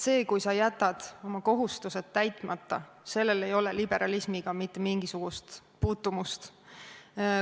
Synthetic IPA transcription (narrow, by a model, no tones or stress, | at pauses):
se̞ːkujsɑjæt̪ːˑɑd̪̥o̞mɑko̞ɦust̪use̞t̪ːæjt̪ˑmɑt̪ˑːɑ | se̞lːe̞le̞jo̞lelib̥e̞ɾɑlismiɡ̥ɑmit̪ːˑemiŋɡ̥isuɡ̥ust̪ | puːt̪ːumust̪